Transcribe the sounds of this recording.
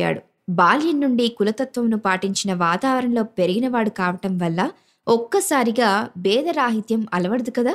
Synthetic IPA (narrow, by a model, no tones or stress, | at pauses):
a̰ːɽu | baːljɐnːuɳɖikulɐt̪ɐt̪ʋɐmnupaːʈiɲt͡ʃinɐʋaːt̪aːʋɐɾɐnlo̞ːpeɾiɡinɐʋaːɽukaːʋɐʈɐmʋɐlːɐ | ɔkːɐsaːɾiɡaːbɛːd̪ɐɾaːɦit̪jɐmɐlɐʋɐɽɐd̪ukɐd̪aː